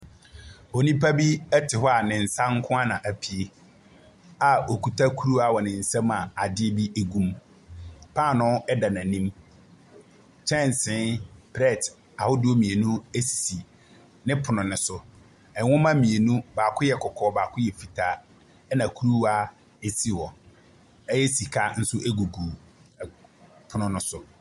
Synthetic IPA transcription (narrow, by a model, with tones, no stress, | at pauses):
o˨nĩ˦pʰa˦bi˦ɛ˦tʰɪ˨hɔ˦a˨nɪ̃˨n̩˨sã˦ŋ˦kʰʊ̃˦a˦nã˨ʔæ˨pʰi˨e˦ | a˨o˨kʰu˨tʰa˦kʰu˦ɾu˦a˨wɔ˨nɪ̃˨n̩˨sã˦mã˨a˨dɪ˦e˦bi˦e˦ɡũ˦m | pʰã˦˨nʊ̃˦ɛ˦da˨nã˨nĩ˦m | t͡ʃʰɛ̃˦˨n˨sɪ̃˦npʰɾɛ˦˨t | a˨hʊ˦dɪ˦o˦mĩ˨e˨nũ˦e˦si̥˨si˨ | nɪ̃˦pʰʊ˨nʊ̃˨nʊ̃˨˦sʊ˨ | ɛ˨wʊ̃˦mã˦mĩ˨e˨nũ˦baː˨kʰʊ˦jɛ˨kʰɔ˨kʰɔː˨˦baː˨kʰʊ˦jɛ˨fi˨tʰa˨ | ɛ˦nã˨kʰu˦ɾu˦a˦ | e˦si˨wɔ˨ | ɛ˦jɛ˦si˨kʰa˦n̩˦sʊ˦ʔe˦ɡu˨ɡu˨ | pʰʊ˨nʊ̃˨nʊ̃˦sʊ˨